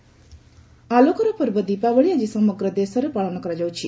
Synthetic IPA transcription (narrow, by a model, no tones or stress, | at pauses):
alokɔɾɔpɔɾbɔd̪ipabəɭiad͡ʒisɔmɔɡɾɔd̪esɔɾepaɭɔnɔkɔɾad͡ʒawt͡ʃʰi